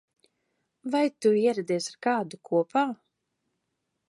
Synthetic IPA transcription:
vajt̪uiɛɾɛd̪ʲiɛsaɾkaːd̪ukʰuɔpaː

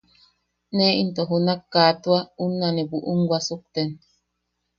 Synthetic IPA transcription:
neint̪oɦunakːaːt̪uaunːanibuʔuŋɡwasuk̚t̪en

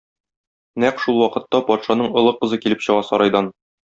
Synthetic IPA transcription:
næqʃulˠwɒqɤ̆t̪ːɑpɒt̪ʃɑnɤɴŏlˠɤqɤ̆zɤkilɘpɕɤ̆ʁɑsɒɾɑjd̪ɑn

